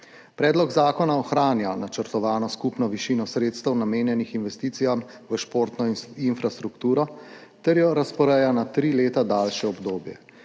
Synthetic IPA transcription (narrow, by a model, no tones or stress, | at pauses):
pɾɛːd̪lɔɡzaːkɔnaɔxɾaːnjanat͡ʃəɾt̪ɔʋaːnɔskupnɔʋiʃiːnɔsɾeːt̪st̪əwnameːnjɛnixinʋɛst̪iːt̪sijamʋəʃpoːɾt̪nɔinfɾast̪ɾukt̪uːɾɔt̪ɛɾjɔɾaspɔɾɛjanat̪ɾiːleːt̪ad̪aːlʃɛɔbd̪oːbjɛ̰